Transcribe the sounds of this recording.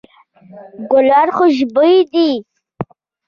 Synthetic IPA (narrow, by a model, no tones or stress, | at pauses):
ɡʊlɑɾχoʒbəjd̪i